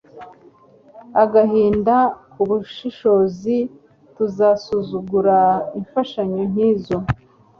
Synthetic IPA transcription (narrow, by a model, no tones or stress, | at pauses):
aɡaɦiːndakuβuʃiʃo̞zi | tuzasuzuɡuɾaiɱfaʃaɲon̥iːzo̞